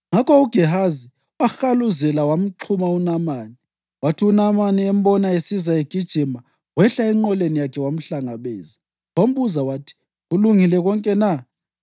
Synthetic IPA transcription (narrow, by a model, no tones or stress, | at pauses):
ŋakʰɔuɡ̥ʱɛɦazi | waxaluzɛlawam̩ǃʰumaunamaːni | watʰiunamaniɛm̩bɔnaesizaeɡ̥ʱid̥ʒ̥ʱima | ɣwɛɬaɛŋ͡ǃɔlenijakʰɛwam̩ɬaŋaβḛːzi | wam̩βuzawatʰi̥ | ɣuluŋilɛɣɔŋkʼɛna